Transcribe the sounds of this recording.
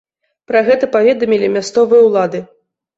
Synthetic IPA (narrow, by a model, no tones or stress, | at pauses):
pɾaɣɛt̪ɐpavʲɛd̪ɐmʲilʲimʲast̪sɔvɨjɐwlˠad̪ɨ